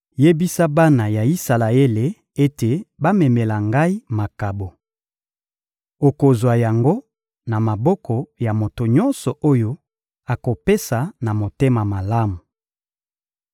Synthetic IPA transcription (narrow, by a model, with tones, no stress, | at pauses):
je˦bi˦sa˦ba˦na˨ja˨i˦sa˨la˨e˦le˨ | e˦te˨ba˦mɛ˨me˨la˨ŋɡa˦i˦ma˨ka˨bo˨ | o˨ko˨zwa˨ja˨ŋɡo˦ | na˨ma˨bɔ˦kʰɔ˨ja˨mo˨to˨ɲɔ˦nsɔ˨ʔo˦jo˦ | a˨ko˨pe˦sa˨na˨mo˨te˦ma˨ma˨la˦mu˨